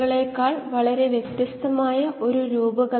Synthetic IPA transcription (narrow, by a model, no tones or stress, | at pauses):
ɐɭe̞kːaːɭʋɐɭɐɾe̞ʋjekt̪jɐst̪ɐmaːjɐʔo̞ɾuɾuːbɐɣɐ